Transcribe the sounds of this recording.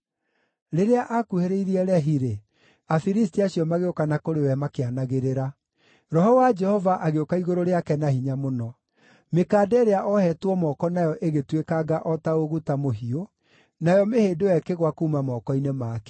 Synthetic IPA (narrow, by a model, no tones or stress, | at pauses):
ɾeɾeaʔakuheɾeiɾiɛɾɛɦiɾe | afiɾistiaɕjɔmaɣeokanakoɾewɛmakeanaɣeɾeɾa | ɾɔɦɔwad͡ʒɛhɔvaʔaɣeokaiɣoɾoɾeakɛnahiɲamonɔ | mekaːdɛeɾeaʔɔhɛtwɔmɔkɔnajɔʔeɣetwekaɡaʔɔtaoɣutamoɦio | najɔmeheːdojɛkeɣwakuːmamɔkɔinemaːkɛ̥